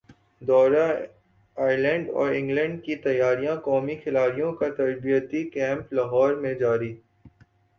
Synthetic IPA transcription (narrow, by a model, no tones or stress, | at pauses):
d̪ɔːɾa | aːɾlɛ̃ɳɖɔ̰ːɾɪ̃ŋɡlɛ̃ɳɖkit̪ɐjːaːɾijãkɔːmixɪlaːɾijõkat̪ɐɾbijət̪ikɛ̃ːmplɐɦɔːɾmẽd͡ʒaːɾi